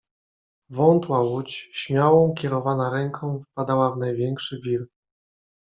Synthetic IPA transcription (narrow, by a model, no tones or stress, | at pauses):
vɔnt̪wawut͡ɕɕmʲjawɔ̃w̃kʲɛɾɔvanaɾɛŋkʰɔ̃w̃fpad̪awavnajvʲjɛŋkʂɘvʲiɾ